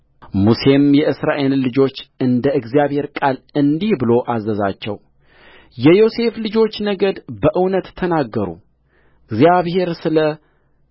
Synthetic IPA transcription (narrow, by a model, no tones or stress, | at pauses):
muse̞mjɛʔɨsɾaʔe̞llɨd͡ʒo̞t͡ʃːɨnd̪əɨɡzijaβhe̞ɾkʼalɨnd̪ihbɨlo̞ʔazːəza̰t͡ʃːɛ̰w | jɛjo̞se̞flɨd͡ʒo̞t͡ʃːnəɡəd̪bəʔɨwnət̪t̪ʰːənaɡːəɾṵ | ɡzjaβhe̞ɾsɨlə